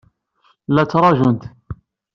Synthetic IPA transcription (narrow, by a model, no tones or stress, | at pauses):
læt͡sːɾˤɑʒʊnt̪